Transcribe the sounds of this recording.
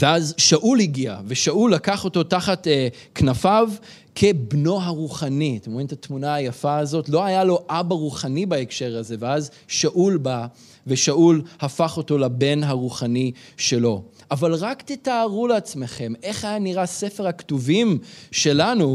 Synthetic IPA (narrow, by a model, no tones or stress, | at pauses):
veazʃaʔulhiɡia̰ve̞ʃaʔulːakaχo̞to̞taχate | knafav | kʰe̞bno̞ɦaʁuχanitemoʁimt̪atmunaːjafaːzo̞tlo̞ajalo̞ʔabaʁuχanibaekʃe̞ʁaze̞veaz | ʃaʔulba | ve̞ʃaʔulhafaχo̞to̞labe̞nɦaʁuχaniʃe̞lo̞ | ʔavalʁaktitaːʁuleat͡sme̞χe̞mʔe̞χajaniʁase̞feʁhaktuvimʃe̞lanu